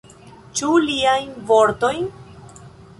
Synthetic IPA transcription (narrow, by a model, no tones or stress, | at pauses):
t͡ʃuliajnvoɾt̪o̞jn